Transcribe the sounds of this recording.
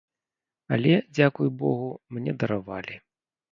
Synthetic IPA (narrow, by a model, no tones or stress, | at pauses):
ɐ̰lʲɛd͡zʲakujbɔɣumnʲɛd̪ɐɾava̰lʲi